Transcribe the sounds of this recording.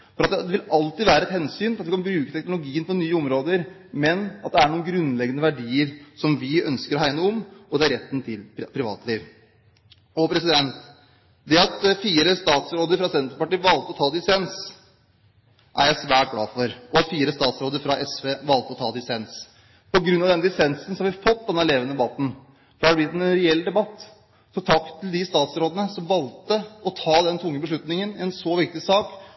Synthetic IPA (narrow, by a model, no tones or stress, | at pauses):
fɔɾɑt̪d̪ɛʋɪlɑlt̪ɪʋæːɾəɛt̪hɛnsyːnlɑt̪ʋɪkʰɑnbɾʉːkət̪ʰɛknʊlʊɡiːənpʰɔnyːəʊmɾoːd̪əɾ | mɛnɑt̪̚d̪ɛæɳuːənɡɾʉnlɛɡːənəʋæɖiːəɾsɔmʋɪœnskəɾɔɦæɪnəɔmɔd̪ɛæɾɛt̪ːn̩t̪ʰɪlpʰɾɪʋɑ̰ːt̪əliːʋ | ɔpʰɾɛsɪd̪ɛnt̪ | d̪ɛɑt̪fiːɾəst̪ɑːt̪sɾoːd̪əɾfɾɑsɛnt̪ɾəpɑʈiːʋɑlt̪əɔt̪ʰɑːd̪ɪsɛns | ʔæ̰ɾjæɪsʋæːʈ̚ɡɽɑ̰ːfɔɾɔɑt̪fiːɾəst̪ɑːt̪sɾoːd̪əɾfɾɑʔɛsʋeːʋɑlt̪əɔt̪ʰɑ̰ːd̪ɪsɛns | pʰɔɡɾʉnːɑʋd̪ɛnd̪ɪsɛnsn̩sɔhɑʋɪfɔt̪̚ːd̪ɛnːəleːʋənəd̪ɛbɑt̪ːn̩ | fɔɾæːɖb̪ɪt̪ːɛnɾɛɛlːd̪ɛbɑt̪ː | sɔt̪ʰɑkt̪ʰːɪld̪ɪst̪ɑːt̪sɾoːd̪ənəsɔmʋɑlt̪əɔt̪ʰɑːd̪ɛnt̪ʰʊŋːəbəʂ̬ɭʉt̪nɪŋənɪɛnsɔʋɪk̚t̪ɪsɑːk